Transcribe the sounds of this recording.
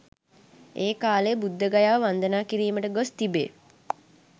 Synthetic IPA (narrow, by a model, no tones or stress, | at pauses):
eːkaːleːbud̪ʱːəɡajaːʋəʋand̪ənaːkiɾiːməʈəɡost̪ibḛː